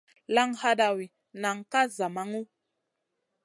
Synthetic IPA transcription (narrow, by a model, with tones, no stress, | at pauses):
la˦ŋha˦ɗa˨wi˨ | na˨ŋ˨ka˦za˨ma˦ŋu˦